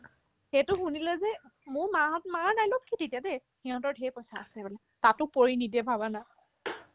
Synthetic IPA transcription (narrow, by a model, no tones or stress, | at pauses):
xetʊxunilɛzɛmʊɹmaɦɔt̚manajlokʰːitetijadɛxiɦɔ̃ntɔɹdʱɛpɔjsaːsɛbɛlɛ | tatʊpoɹinidɛbʱaβana